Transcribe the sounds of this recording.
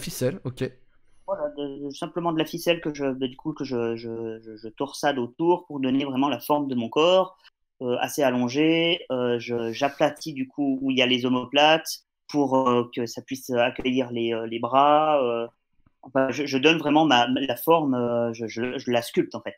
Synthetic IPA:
fisɛlokʲe | vwalad̪əsɛ̃pləmɑ̃d̪əlafisɛlkəʒəbɛd̪ykukəʒəʒəʒəʒət̪ɔʁsad̪ot̪uʁpuʁd̪ɔnevʁɛmɑ̃lafɔʁmd̪əmɔ̃kɔːʁ | øa̰sealɔ̃ʒeøʒəʒaplat̪ʰid̪ykʰuːiljalezɔmɔplat̪ | puʁøkəsapɥisøakʲəjiʁleølebʁaø | ɑ̃fɛ̃ʒəʒəd̪ɔnvʁɛmɑ̃mamlafɔʁmøʒəʒəʒəlaskʲylt̪ɑ̃fɛt̪

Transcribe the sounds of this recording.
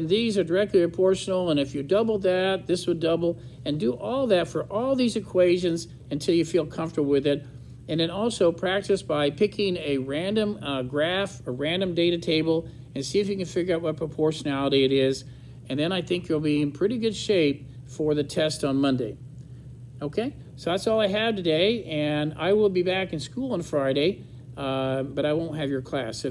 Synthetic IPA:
nðizə˞də˞ɛk̚tˡlipʰɹəpʰɔɹʃnl̩ˠə̃nɨfjɨdʌbl̩ˠd̪ðɨt̪̚ðɪswədʌbl̩ˠ | ɨ̃ndɨʔɔlˠðɨtfə˞ʔɔlˠðizɨkʰw̥eɪʒɨ̃nz | ɨ̃ntʰɪlˠjɨfilˠkʰʌ̃ɱftə˞bl̩ˠwɨðɪɾ | ɨ̃nðɨ̃nɔlˠsoʊpʰɹ̥æk̚tɨsb̥aɪpʰɪkʰɪ̃ŋɨɹæ̃ndɨ̃mɡɹæfəɹæ̃ndɨ̃mdeɪɾɨtʰeɪbl̩ˠ | ɨ̃nsiɨfjɨkɨ̃nfɪɡjə˞aʊt̚wʌt̚pʰɹ̥əpʰɔɹʃɨnælˠəɾiɨɾɪz | ɨ̃nðɨ̃ñaɪθɪ̃ŋkjɨlˠbiɨ̃npʰɹ̥ɪɾiɡʊd̥ʃeɪp̚ | fə˞ðɨtʰɛstn̩mʌ̃ndeɪ | oʊkʰeɪ | soʊðætsɔlˠaɪɨv̥tʰɨdeɪɨ̃na̰ɪwɪlˠbibækɨ̃nskulˠə̃nfɹaɪɾeɪ | bʌɾaɪwõʊ̃nt̚ɦɨvjə˞kʰl̥æs

